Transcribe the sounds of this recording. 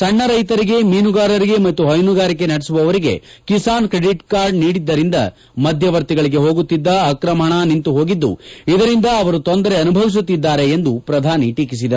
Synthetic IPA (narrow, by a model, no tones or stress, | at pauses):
sɐɳːɐɾɐjt̪ɐɾiɡe̞miːnuɡaːɾɐɾiɡe̞mɐt̪ːuɦɐjnuɡaːɾik̬e̞nɐɽisuʋɐʋɐɾiɡe̞̰kisaːnkɾeɽiʈkaːɾɖniːɽid̪ːɐɾind̪ɐ̰ | mɐd̪ʱjɐʋɐɾt̪iɡɐɭiɡe̞ɦo̞ːɡut̪ːid̪ːɐːkɾɐmɐɳanint̪uɦo̞ːɡid̪ːṵid̪ɐɾind̪ɐːʋɐɾut̪o̞nd̪ɐɾe̞ɐnubʱɐʋis̬ut̪ːid̪ːaːɾe̞ːnd̪upɾɐd̪ʱaːniʈiːkis̬id̪ɐɾu